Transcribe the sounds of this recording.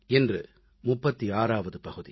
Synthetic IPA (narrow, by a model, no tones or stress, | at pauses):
ɛndrɯ | mʊpːɐt̪ːiaːɾaːʋɐðɯpɐɣɯðḭ